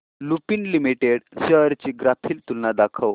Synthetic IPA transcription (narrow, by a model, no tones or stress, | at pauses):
lupinlimiʈeɽɕəɾt͡ɕiːɡɾapʰiːlt̪unːad̪akʰəw